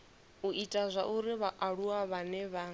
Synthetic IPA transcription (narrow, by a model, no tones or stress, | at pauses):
uʔitʼazʷa̰ʔuɾiβaʔaɺuwaβanɛβa